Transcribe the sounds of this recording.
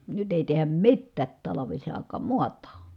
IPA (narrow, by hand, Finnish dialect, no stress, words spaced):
nyt eˑi tehæm mitːæːt tɑlɑʋisɑˑi̯kˑɑːm muɑtˑɑː